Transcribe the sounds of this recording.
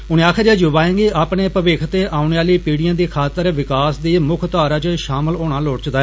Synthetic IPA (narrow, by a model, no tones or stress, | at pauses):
ʊnẽːaːkʰed͡ʒeːd͡ʒʊʋaːẽːŋɡiːʔaːpɳeːpəʋeːkʰt̪eːʔaːʊneːaːliːpiːɽijãːd̪iːkʰaːt̪əɾʋɪkaːsd̪iːmʊkʰt̪aːɾaːt͡ʃʃaːməloːɽ̃ãːloːʈt͡ʃd̪aːɛ